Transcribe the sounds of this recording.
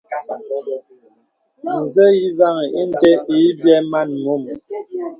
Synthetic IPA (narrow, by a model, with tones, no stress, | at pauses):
n̩˨zə˦ji˦va˦˨ŋ˨i˦n˦tɛ˦i˨˦bjɛ˦ma˦˨nmu˦˨m